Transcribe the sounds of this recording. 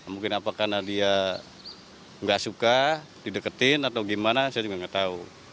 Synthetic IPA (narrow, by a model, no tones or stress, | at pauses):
amuŋkɪnapakanadia | ŋɡasuka | didəkət̪ɪnat̪awɡimanasajad͡ʒuɡaŋɡat̪au